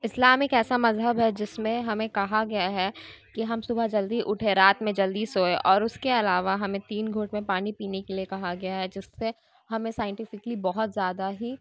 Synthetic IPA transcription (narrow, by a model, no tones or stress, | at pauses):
ɪslaːmɪkɛːsamɐzɦəbɦɛd͡ʒɪsmẽɦɐmẽkɐɦaɡɐjaɦɛkiɦɐmsʊbʱəɦd͡ʒɐld̪iʔʊʈʰeɾaːt̪mẽd͡ʒɐld̪iːsɦoːeʔɔːɾʊskeɐlaːʋaɦɐmẽt̪iːnɡʱoːʈmẽpaːnipiːnekeliekɐɦaɡɐjaɦɛd͡ʒɪsːe | ɦɐmẽsaːɪ̃ɳʈɪfɪklibɔɦʊt̪zjaːd̪aɦi